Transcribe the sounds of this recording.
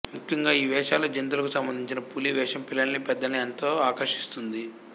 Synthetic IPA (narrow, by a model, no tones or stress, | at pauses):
mukʰjɐŋɡaːiːʋɛːʂaːlɐd͡ʒɐnit̪̬ulɐkusɐmbɐnd̪iɲt͡ʃinɐpuliʋɛːʂɐmpilːɐnnipɛd̪ːɐniɐnt̪o̞ːaːkɐɾʂi̥st̪und̪i